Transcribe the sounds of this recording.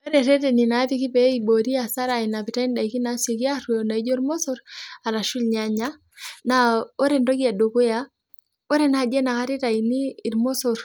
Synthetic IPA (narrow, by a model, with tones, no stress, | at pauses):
o˦ɾeɾɛ˦te˨ni˨na˨˦ti˦ki˦pe˦ibo˨ɾi˦a˨sa˦ɾa˨i˨na˨pi˨ta˦i˦nda˨iki˦na˦se˨ki˦a˦ɾu˦ona˨i˦d͡ʒo˦ɾmo˦sɔ˦ɾa˨la˨ʃu˦lɲaɲa˦ | nao˦ɾe˨ndo˦ki˦a˨do˨ku˦ja | o˦ɾe˦na˨d͡ʒe˦na˨ka˦ɾi˦ta˨iniː˦˨ɾmo˦so˨ɾ